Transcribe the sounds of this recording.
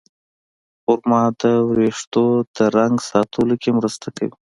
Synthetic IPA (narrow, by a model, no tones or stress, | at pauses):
ʊɾmɑd̪əwɾeʂt̪od̪əɾaŋɡsɑt̪ʰulokemɾəst̪aka̰wi